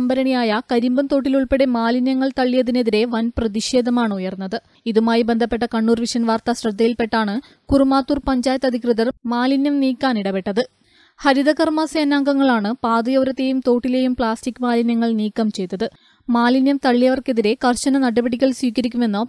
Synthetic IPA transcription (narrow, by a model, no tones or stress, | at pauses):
ɐmbɐɾɐɳijaːjɐkɐɾimbɐmt̪o̞ːʈːiluɭpeɽe̞maːlinjɐŋːɐɭt̪ɐɭːijɐðine̞ðiɾe̞ʋɐnprɐðiʂe̞ːd̪ʱɐmaːɳɨujɐrnːɐðɨ | iðumaːjibe̞nd̪ʱɐpːe̞ʈ̬ːɐkɐɳːuːrʋiʂɐnʋaːrt̪ɐɕrɐd̪ʱːɐjilpe̞ʈːaːɳɨ | kurumaːt̪ːuːrpɐɲd͡ʑaːjɐt̪ːɐd̪ʱikrɨðɐrmaːlinjɐmniːkːaːniɽɐpe̞ʈːɐðɨ | hɐɾiðɐkɐrmaːsɐjɐnːaːŋɡɐŋːɐɭaːɳɨpaːd̪ɨjɐʋɾɐt̪ːe̞ːjumt̪o̞ːʈːile̞ːjumpɭaːstikːɨmaːlinjɐŋːɐɭniːkːɐmt͡ɕe̞jt̪ːɐðɨ | maːlinjɐmt̪ɐɭːijɐʋɐrke̞ðiɾe̞kɐrɕɐnɐnɐɽɐbɐɽikʲːɐɭswiːkɐɾikʲːume̞nːo